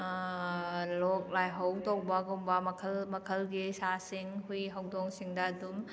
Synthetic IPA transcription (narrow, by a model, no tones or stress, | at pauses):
lɔk̚lajɦawtɔk̚bɐɡombɐmɐkʰɐlmɐkʰɐlɡisasiŋɦujɦawdɔŋsiŋdɐːdum